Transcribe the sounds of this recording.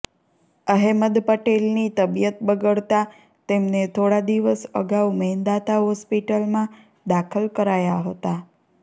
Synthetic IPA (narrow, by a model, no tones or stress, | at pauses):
əɦeməd̪pəʈelnit̪əbijət̪̚bəɡəɭt̪a | t̪emnet̪ʰoɽad̪iʋəsə̰ɡaumɛnd̪at̪aɦɔspiʈəlmã | d̪akʰəlkəɾajaɦət̪a